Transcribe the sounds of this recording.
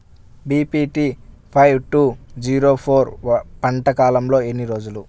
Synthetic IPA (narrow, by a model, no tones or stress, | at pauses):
biːpiʈiː | pʰɐjwʈuːd͡ʒiːɾo̞ːpʰoːɾpɐɳʈɐkaːlɐmlo̞ːe̞nːiɾo̞ːd͡ʒulu